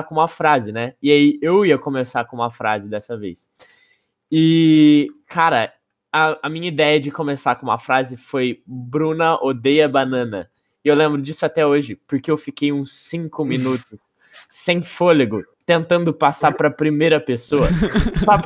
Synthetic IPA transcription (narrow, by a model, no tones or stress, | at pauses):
kõũmɐfɾazɪnɛɪaiʔewiɐkõmesaɾkõũmɐfɾa̰zɪd̪ɛsɐvḛjs | ɪ | kʰaɾɐ | ɐɐmĩɲɐid̪ɛjɐd͡ʒɪkõmesaɾkõũmɐfɾazɪfojbɾũnɐʔod̪ejɐbanɐ̃nɐ̰ | ewlẽmbɾʊd͡ʒisʊat̪ɛoʒɪpʊɾkeewfikejũsːĩŋkʊmĩnut̪ʊsː | ẽj̃foleɡʊt̪ẽnt̪ɐ̃nd̪ʊpasaɾpɾɐpɾimejɾɐpesoɐsɔ